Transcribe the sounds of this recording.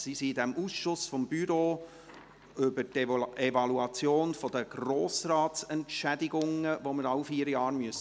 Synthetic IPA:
sisidɛmʔuːsʃʊsfɔmbyɾoː | ʏbəɾtevɑluɑt͡sjoːnfɔd̥̪əɡ̥roːsɾɑːtsɛntʃædɪɡʊŋəvoməɾɑʊfiːəɾjɑːɾmyəs

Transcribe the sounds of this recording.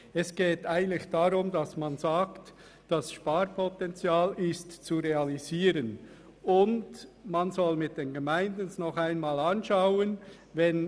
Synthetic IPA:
ɛsɡ̥eːtaɪɡəntlɪçd̥aɾʊmdasmanzaːkt | d̥asʃpaːɾpʰɔtɛnt͡sjaːlɪstt͡suɾeɑliziːɾən | ʊndmanzɔlmɪt̚d̥enɡemaɪndənsnɔχaɪnmaːlɑnʃaʊən | vɛn

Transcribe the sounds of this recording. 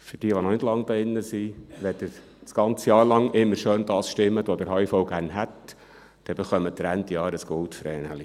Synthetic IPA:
fʏɾd̥iəʋonɔnɪdlɑŋːd̥̪ɑɪnːəsiʋɛtə | t͡sɡ̥ɑnt͡səjɑːɾlɑŋɪmːəɾʃøːnd̥̪ɑːsʃtɪmːətod̪əɾɦɑifɔʊɡ̥æːɾnɦæt | d̥ɛb̥əχœmət̪ɾænt̪jɑːɾəsɡ̥olt̪fɾɛːnə̰li

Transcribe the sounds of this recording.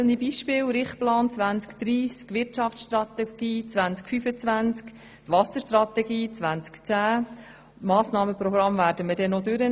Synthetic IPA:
ənibiːʃpɪːwɾɪχt̚plɑːnt͡sʋænt͡skd̪̥ɾiːskʋɪɾtt͡ʃɑftʃtrɑt̪ɛɡ̥iːt͡sʋænt͡skfyfət͡svænt͡sk | t̪ʋɑsəʃtrɑt̪ɛɡiːt͡sʋænt͡skt͡sæː | mɑːsnɑːməpɾɔɡɾɑmvæːɾdəmədɛnɔdøɾə

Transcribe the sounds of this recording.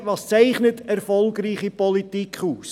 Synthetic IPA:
vɑːst͡sæɪχnətʰæɾrfɔlˠɡriːχipɔlitikχuːs

